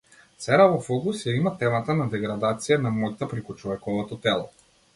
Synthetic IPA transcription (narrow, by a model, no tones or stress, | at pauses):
sɛɾavɔfɔkusjaimat̪ɛmat̪anad̪ɛɡɾad̪at̪sijanamɔjt̪apɾɛkut͡ʃɔvɛkɔvɔt̪ɔt̪ɛlˠɔ